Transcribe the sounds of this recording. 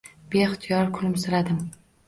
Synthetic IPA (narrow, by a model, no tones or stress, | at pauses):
b̥eχt̪ʰijɒɾkʰʊlɪmsɪɾad̪ɪm